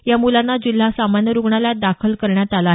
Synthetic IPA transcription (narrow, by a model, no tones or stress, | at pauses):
jamulanːad͡ʑil̤asamanjəɾuɡɳalad̪akʰəlkəɾɳjat̪alaɦ